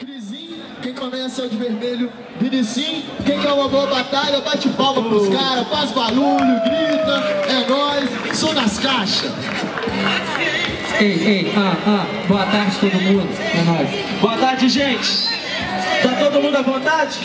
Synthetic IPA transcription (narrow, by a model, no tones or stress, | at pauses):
kɾizĩɲɐkẽj̃kõmɛsɐɛwd͡ʒɪveɾmeʎʊ | binisĩkẽj̃ɛũmɐboɐbat̪aʎɐbat͡ʃɪpawpɐpɾʊskaɾɐfazbaluʎʊɡɾit̪ɐɛɡɔs | sõnɐskaʃɐs | ejeaa | boɐt̪aɾd͡ʒɪt̪od̪ʊmũd̪ʊpɾɐnɔjs | boɐt̪aɾd͡ʒɪʒẽt͡ʃɪ̥ | d̪at̪od̪ʊmũnd̪ʊɐbõt̪ad͡ʒɪ